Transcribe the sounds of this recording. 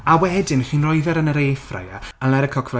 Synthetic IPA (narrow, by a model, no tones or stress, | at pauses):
awɛdɪnχiːnrɔjðɛɾənəɾejfra̰jaənlɛɾəkʰɔkʰv̥ra